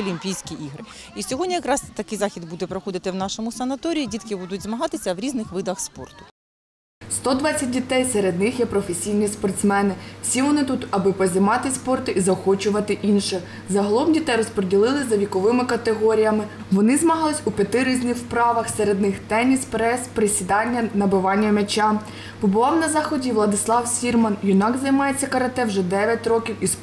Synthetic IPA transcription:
ɔlʲimʲpʲijsʲkʲiʔiɦɾɪ | isʲɔɦɔdʲnʲijɐkɾɑst̪ɐkɪjzɑxʲid̪bud̪ɛpɾɔxɔd̪ɪt̪ɪwnɑʃɔmʊsɐnɐt̪ɔɾʲiidʲit̪kɪbud̪ʊtʲzmɐɦɑt̪ɪsʲɐwɾʲiznɪxʋɪd̪ɐxspɔ̰rt̪ʊ̥ | st̪ɔd̪ʋɑt͡sʲːɐt̚ʲdʲit̪ɛjseɾed̪nɪxjɛpɾɔfesʲijnʲispɔrt̪smɛnɪwsʲiʋɔnɪt̪ut̪ɐbɪpɔzʲɪmɑt̪ɪspɔrt̪ʊʔizɐxɔt͡ʃʊʋɐt̪ɪʔinʃɪ | zɐɦɔlˠɔmdʲit̪ɛjɾɔspɾedʲilˠɪlˠɪzɐʋʲikɔʋɪmɪkɐt̪eɦɔɾʲijɐmɪ | ʋɔnɪzmɐɦɑlˠɪsʲupʲɐt̪ɪɾizʲnɪxpɾɑʋɐxseɾed̪nɪxt̪ɛnʲispɾɛspɾesʲid̪ɑnʲːɐnɐbɪʋɑnʲːɐmet͡ʃɑ | pɔbʊʋɑwnɐzɑxɔdʲiʋlˠɐd̪ɪslˠɑwsʲirmɐnjʊnɑɡzɐjmɑjet͡sʲːɐkɐɾɐt̪ɛwʒɛd̪ɛʋʲjɐtʲrɔkʲiwis

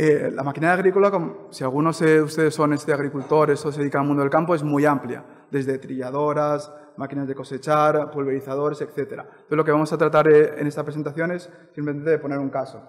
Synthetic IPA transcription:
ela̰makinajaɣɾikolakomsialɣ̞uno̞seust̪e̞ðesːo̞ne̞st̪eaɣ̞ɾikult̪o̞ɾest̪oseikaalmũnd̪oelkampo̞e̞zmujamplja̰ | d̪e̞zðe̞t̪ɾiʎaðo̞ɾas | makinazðe̞ko̞se̞t͡ʃaɾpulβeɾiθað̞oɾe̞se̞kθe̞t̪e̞ɾa̰nt̪oθelo̞ke̞βamo̞sat̪ɾat̪aɾḛne̞st̪apɾese̞nt̪aθjo̞ne̞s | sːĩmplement̪e̞ðepo̞ne̞ɾuŋkaso̞

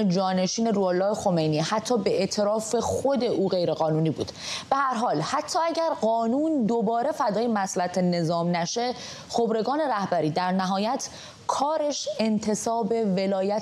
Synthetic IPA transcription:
d͡ʒɒːne̞ʃiːne̞ɾuːɑːlːɒːhexo̞me̞jnihæt̪ʰːɒːbe̞ʔet̪ʰeɾɒːfe̞xo̞d̪e̞ʔuːɣe̞jɾe̞ɣɒːnuːniːbṵːd̪̥b̥e̞hæɾɦɒːlhæt̪ʰːɒːæɟæɾɢɒːnuːnd̪obɒːɾe̞fæd̪ɒːjemæslæt̪ʰene̞zɒːmnæʃe | xobɾe̞ɡɒːne̞ɾæhbæɾiːd̪æɾnæɦɒːjæt̪ʰ | kʰɒːɾe̞ʃe̞nt̪ʰe̞sɒːbe̞velɒːjæ

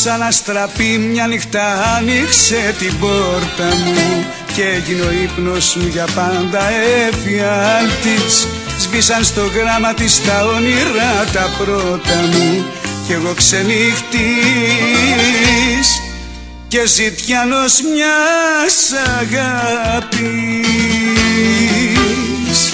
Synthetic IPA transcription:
sɐnɐst̪ɾɐpimɲɐnixt̪ɐːnikse̞t̪ibo̞ɾt̪ɐmu | ceeʝino̞ipno̞smuʝɐpɐnd̪ɐefiɐnt̪is | zvisɐnst̪o̞ɣɾɐmɐt̪ist̪ɐoniɾɐt̪ɐpɾo̞t̪ɐmu | ce̞ɣo̞kse̞nixt̪i | s | ce̞zit̪çɐno̞zmɲɐsɐɣɐpi | s

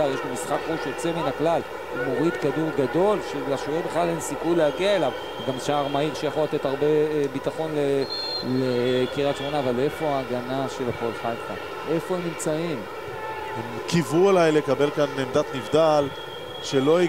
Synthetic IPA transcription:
aʁjeʃlomisχakʁuʃjot͡seminaklal | imo̞ʁid̪kad̪uʁɡad̪o̞lʃelaʃovebeχlalhemsikujleaɡiaelav | veɡamʃaːʁmaiʁʃejaχolat̪e̞t̪aʁbebit̪aχo̞nle | lekiʁatt͡ʃmonaːvalefoaːɡanaʃelapolħajta̰ | ʔe̞fo̞emnimt͡saim | hemkivuelajle̞kabelkanːemd̪at̪nivd̪al | ʃelo̞i

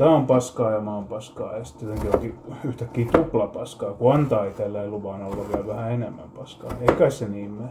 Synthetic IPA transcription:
t̪æːompɑskɑːjɑmɑompɑskɑ̰ːjɑsi̥t̪ːjot̪eŋkioŋkiyht̪ækːiːt̪uplɑpɑskɑːkuɑnt̪ɑːit̪elːæiluʋɑːnolːɑʋiælʋæhæenemːæ̰mpɑskɑ̰ːeikæsseniːmːe

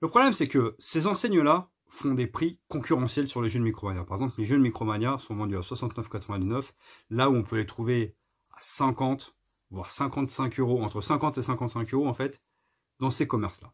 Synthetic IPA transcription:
ləpχɔblɛmsɛkəsezɑ̃sɛɲəla | fɔ̃d̪epχikɔ̃kʲyʁɑ̃sjɛlsyʁleʒød̪mikχɔmaɲjapaʁɛɡzɑ̃pleʒønmikχɔmanjasɔ̃vɑ̃d̪yaswasɑ̃t̪nœfkat̪χəvɛ̃d̪iznəflauɔ̃pʰølet̪χuve | asɛ̃kɑ̃t̪ | vwaʁsɛ̃kɑ̃t̪sɛ̃køʁoɑ̃t̪χəsɛ̃kɑ̃t̪esɛ̃kɑ̃t̪sɛ̃køʁoɑ̃fɛt̪ | d̪ɑ̃sekɔmɛʁsla̰

